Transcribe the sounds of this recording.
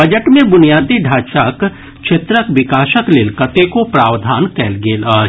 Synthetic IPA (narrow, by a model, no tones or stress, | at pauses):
bəd͡ʒəʈmẽbʊnijaːd̪iɖʱaːʃaːk | t͡ʃʰet̪ɾəkʋɪkaːʃəklɪlkət̪ekopɾaːwd̪ʱaːnkɛːlɡeːlaː